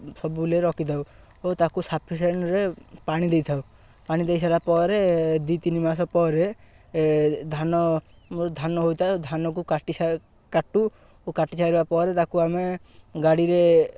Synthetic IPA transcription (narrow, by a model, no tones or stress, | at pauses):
sɔbuleɾɔkit̪ʰaw | ot̪akusapʰis̬eɳɾepaɽ̃id̪ejt̪ʰaw | paɽ̃id̪ejsʰalapɔɾed̪it̪inimasɔpɔɾe | d̪ʱanɔ | d̪ʱanɔɦojt̪ʰad̪ʱanɔk̬ukaʈisa | kaʈu | okaʈisʰaɾbapɔɾet̪akuameɡaɽiɾe